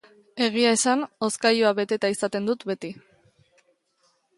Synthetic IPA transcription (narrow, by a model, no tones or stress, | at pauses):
e̞ɣ̞iae̞sano̞skajoaβe̞t̪e̞t̪aisat̪e̞nd̪ut̪be̞t̪i